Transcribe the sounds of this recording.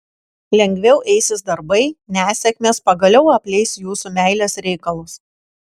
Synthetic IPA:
lʲɛŋʲɡʲʋʲɛʊʔɛɪsʲɪsd̪ɐɾbɐɪnʲæːsʲɛkʲmʲeːspɐɡɐlʲɛʊɐpʲlʲɛɪsʲjuːsumʲæˑɪlʲeːsɾʲɛɪkɐlˠʊs

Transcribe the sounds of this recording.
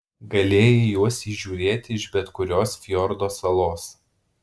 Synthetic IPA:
ɡɐlʲeːjɛjuɔsiʒʲuːɾʲeːt̪ʲɪɪʃbʲɛt̪kʊɾʲoːsfʲjɔɾd̪oːsɐlˠoːs

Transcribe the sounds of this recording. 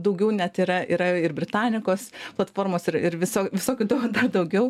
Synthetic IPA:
d̪ɐʊɡʲɛʊnʲɛt̪iɾɐiɾɐɪɾbʲɾʲɪt̪ɑːnʲɪkoːsplˠɐt̪foːrmoːsɪɾɪɾʋʲɪsoːʋʲɪsoːkʲʊd̪ɐd̪ɐrd̪ɐʊɡʲɛʊ

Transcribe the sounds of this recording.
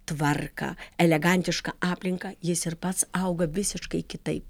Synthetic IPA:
t̪ʋɐrkɐ̰ɛlʲɛɡɐnʲt̪ʲɪʃkɐʔɑːpʲlʲɪŋkɐjɪsɪɾpɐt̪sɐʊɡɐʋʲɪsʲɪʃkɐɪkʲɪt̪ɐɪp̚

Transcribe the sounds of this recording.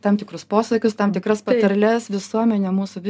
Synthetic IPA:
t̪ɑmʲt̪ʲɪkɾʊspoːsɐkʲʊst̪ɐmt̪ʲɪkɾɐspɐt̪ɐɾlʲɛsʋʲɪsuɔmʲɛnʲemuːsʊʋʲɪ

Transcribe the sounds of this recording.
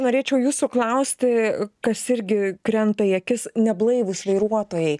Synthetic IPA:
noːɾʲeːt͡ʃʲɛʊjuːsuklˠɐʊsʲt̪ʲɪkɐsɪɾʲɡʲɪkɾʲɛnt̪ɐjɛkʲɪsnʲɛblˠɐɪʋʊsʋɐɪɾuɔt̪oːjɛɪ

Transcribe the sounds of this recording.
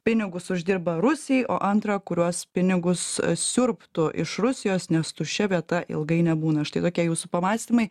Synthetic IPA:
pʲɪnʲɪɡʊsʊʒʲd̪ʲɪɾbɐɾʊsʲɪjʔoːʔɐnt̪ɾɐːkʊɾʲuɔspʲɪnʲɪɡʊssʲʊɾptt̪ʊʔɪ̰ʃɾʊsʲɪjoːsnʲɛst̪ʊʃʲɛʋʲiɛt̪ɐʔɪ̰lˠɡɐɪnʲɛbuːnɐɐʃt̪ɐɪt̪oːkʲiɛjuːsʊpɐmɑːsʲt̪ʲiːmɐɪ

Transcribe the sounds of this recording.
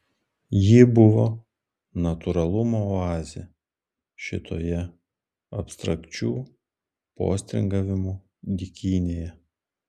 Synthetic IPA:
jɪbʊʋoː | nɐt̪ʊɾɐlˠʊmoɑːzʲḛ | ʃʲɪ̰t̪ʰo̰ːjɛ | ɐpʲst̪ɾɐkt͡ʃʲuː | po̰ːsʲt̪ʲɾʲɪ̰ŋɡɐʋʲɪmu | d̪ʲɪkʲiːnʲeːjɛ

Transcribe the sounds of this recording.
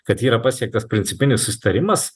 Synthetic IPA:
kɐt̪iːɾɐpɑsʲiɛk̚t̪ɐspʲɾʲɪnʲtsʲɪpʲɪnʲɪsːʊsʲɪ̥t̪ɐɾʲɪmɐs

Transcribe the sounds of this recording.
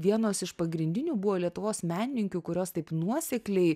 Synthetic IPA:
ʋʲiɛnoːsɪʃpɐɡɾʲɪnʲd̪ʲɪnʲuːbuʋoːlʲiɛt̪ʊʋoːsmʲæːnʲɪnʲɪŋʲkʲuːkʊɾʲoːst̪ɐɪpnuɔsʲɛklʲɛɪ

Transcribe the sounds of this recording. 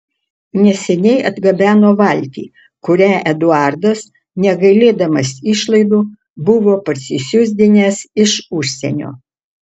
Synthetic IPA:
nʲɛsʲɛnʲɛɪʔɐd̪ɡɐbʲæːnoːʋɐlʲt̪ʲḭː | kʊɾʲæːʔɛd̪ʊɑˑɾd̪ɐs | nʲɛɡɐɪlʲeːd̪ɐmɐsɪʃlˠɐɪd̪uː | bʊʋoːpɐtʲsʲɪsʲʊzʲd̪ʲɪnʲɛsɪʃʊʃʲsʲɛ̰nʲo̰ː

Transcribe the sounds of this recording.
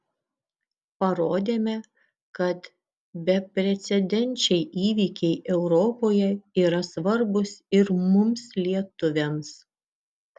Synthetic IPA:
pɐɾoːd̪ʲeːmʲɛ | kɐt̪ | bʲɛpʲɾʲɛt̪sʲɛd̪ʲɛnʲˑt͡ʃʲɛɪʔiːʋʲiːkʲɛɪʔɛʊɾɔːpoːjɛiːɾɐsʋɐɾbʊsɪɾmʊmslʲiɛt̪ʊʋʲɛms

